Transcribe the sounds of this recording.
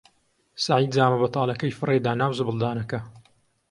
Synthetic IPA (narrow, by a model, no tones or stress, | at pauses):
saʕiːd̪zaːmɐbɐt̪ʰɑːlɐkɐjfɨred̪aːnaːwzɨbɨlˠd̪aːnɐkɐ